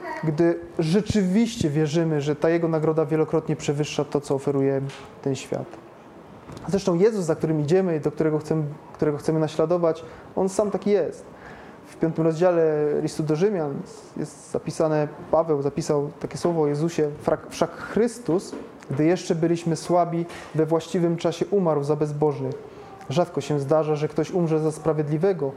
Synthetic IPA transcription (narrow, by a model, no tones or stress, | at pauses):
ɡd̪ɘʐɛt͡ʂɘvʲiɕt͡ɕɛvʲjɛʐɘmɘʐɛt̪ajɛɡɔnaɡɾɔd̪avʲjɛlɔkɾɔt̪ɲɛpʂɛvɘʂːat̪ɔt̪sɔːfɛɾujɛ | t̪ɛnɕfʲja̰t̪ | zɾɛʂt̪ɔ̃w̃jɛzusːak̚t̪uɾɘmʲid͡ʑɛmɘid̪ɔkt̪uɾɛɡɔxt̪sɛmkt̪uɾɛɡɔxsɛmɘnaɕlad̪ɔvat͡ɕ | ɔnsamt̪akʲijɛst̪ | fpʲjɔnt̪ɘmɾɔzd͡ʑalɛlʲist̪ud̪ɔʐɘmʲjan | jɛ̰st̪zapʲisanɛpavɛwzapʲisawt̪akʲɛswɔvɔːjɛzuɕɛfakfʂakxɾɘst̪us | ɡd̪ɘjɛʂt͡ʂɛbɘlʲiɕmɘswabʲivɛvwaɕt͡ɕivɘmt͡ʂaɕɛʔumaɾwzabɛzbɔʐnɘx | ʐat̪kɔɕɛ̃zd̪aʐaʐɛkt̪ɔɕumʐɛzaspɾavʲjɛd̪lʲivɛɡɔ